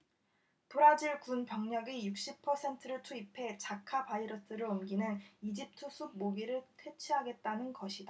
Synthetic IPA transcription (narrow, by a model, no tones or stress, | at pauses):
toɾad͡ʑiɭkunpjʌŋɲʌɡijuk̚ɕ͈ipʰʌsʰe̞ntʰɯɾɯɭt͡ɕʰuipʰe̞t͡ɕakʰapaiɾʌs͈ɯɾɯɭɯmɡinɯnid͡ʑip̚tʰɯsʰuɡ̚moɡiɾɯɭtʰwe̞t͡ɕʰiɦaɡe̞t̚t͈anɯnɡʌɕʰida